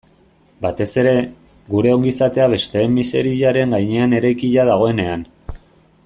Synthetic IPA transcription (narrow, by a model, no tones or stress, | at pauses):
bat̪e̞se̞ɾe̞ | ɡuɾe̞o̞ŋɡisat̪e̞aβe̞st̪e̞ːmːise̞ɾiʎaɾe̞ŋɡajɲe̞ane̞ɾajkiʎaðaɣ̞o̞e̞ne̞an